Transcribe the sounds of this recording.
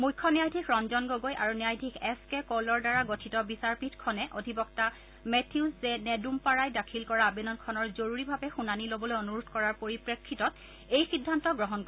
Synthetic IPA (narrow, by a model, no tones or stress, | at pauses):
mujkʰːɔnijajdʱikʰɹɔnzɔnɡoɡojʔa̰ɹuniajdʱikʰɛskɛkolɔɹdaɹaɡotʰitɔbisaɹpitkʰɔnɛʔodʱibɔkta | mɛtʰiuszɛnɛdumpaɹajdakʰilkɔɹabenɔnkʰɔnɔɹzoɹuɹibʱabɛxunanilobɔlojonuɹudʰʱkɔɹaɹpoɹipɹekʰːitɔt | ejxidʱːantɔɡɹɔɦɔnkɔ